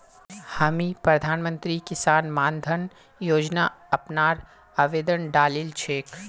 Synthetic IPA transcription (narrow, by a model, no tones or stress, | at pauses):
haːmipɾɐd̪ʱaːnmə̃nt̪ɾikɪsaːnmaːnd̪ʱən | joːd͡ʒnaɐpnaːɾ | aʋeːd̪ənɖaːlilt͡ʃʰeːk